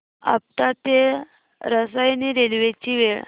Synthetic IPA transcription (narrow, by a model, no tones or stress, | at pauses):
a̰p̚t̪at̪e | ɾəsajniɾelʋet͡ɕiːʋeɭ